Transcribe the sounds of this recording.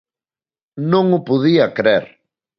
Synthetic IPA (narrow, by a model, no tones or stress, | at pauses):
nõŋʊpuðiɐkɾeɾ